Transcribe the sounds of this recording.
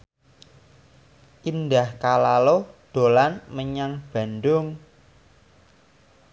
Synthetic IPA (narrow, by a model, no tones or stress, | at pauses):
ʔind̪ahkalaloɖ̪̥o̤lanməɲaŋb̥a̤ndʊŋ